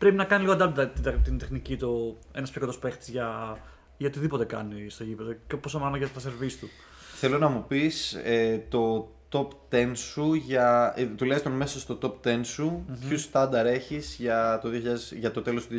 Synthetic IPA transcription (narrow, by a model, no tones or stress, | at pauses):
pɾepinɐkɐniliɣoɐnd̪ɐlt̪ɐt̪it̪ind̪e̞xnicit̪o | e̞nɐspʰçjokot̪ospue̞xt̪i̥zʝɐ | ʝɐot̪iðipo̞t̪e̞kɐnist̪oʝipeðecposomɐnoʝɐt̪ɐseɾvist̪u | θe̞lo̞nɐmupiset̪o̞t̪o̞pt̪e̞nsuʝɐt̪ulest̪onme̞sɐst̪o̞t̪o̞pt̪e̞nsupçust̪ɐnd̪ɐɾe̞çiz̥ʝɐt̪o̞ðio̞çiʎɐðeʝɐt̪o̞t̪e̞lo̞st̪uð